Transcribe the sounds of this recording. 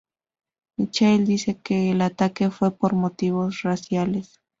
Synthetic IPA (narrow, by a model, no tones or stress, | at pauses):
mit͡ʃajld̪ise̞keːlat̪ake̞fwe̞po̞ɾmo̞t̪iβo̞srasjales